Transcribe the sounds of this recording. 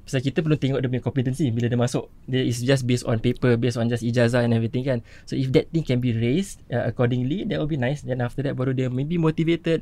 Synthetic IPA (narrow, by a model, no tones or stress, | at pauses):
basakit̪əp̬əlunt̪ɛŋɔʔ̚dəpəɲə̃kɔ̃mpit̪ənsibilədəmasʊʔ | dɛisd͡ʒas̬bestɔ̰̃npepəbesɔ̃nd͡ʒasid͡ʒazaɛ̃nɛvɾit̪ɪ̃ŋkan | soifdɛt̪̚t̪ĩŋkɛ̃nbiɹestaəkɔdɪ̃ŋlidɛʔwilbinãjsdɛ̃naft̪ədɛt̚baɾudəmẽbimot̪ivet̪əd̚